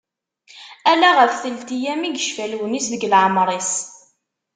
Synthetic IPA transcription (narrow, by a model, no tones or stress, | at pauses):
ælæʁəfθəlt̪ijæmiɡəʃfælwənisðəɡəlʕəmɾˤis